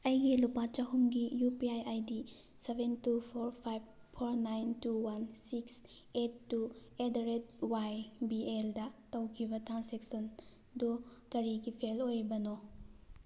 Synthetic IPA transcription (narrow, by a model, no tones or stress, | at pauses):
ɐjɡilupat͡ʃaɦumɡijupiajʔajdi | sebʱentupʰoɾpʰajb̚ | pʰoɾnajntuwansiks | etːuedɾet̚wajbieldɐtɐwkʰibɐtansek̚son | dukɐɾiɡipʰelojbɐno